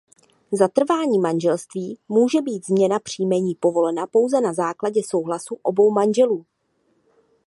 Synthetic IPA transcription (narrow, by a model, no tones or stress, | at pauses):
zat̪r̩vaːɲiːmanʒɛlst̪viːmuːʒɛbiːt̪zmɲɛnapr̝̥iːmɛɲiːpo̞vo̞lɛnapo̞wzɛnazaːklaɟɛso̞wɦlasuʔo̞bo̞wmanʒɛluː